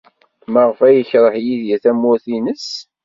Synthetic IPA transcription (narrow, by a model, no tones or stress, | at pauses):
məʁfæjəçɾˤəħjiðjæθæmːʊθinəs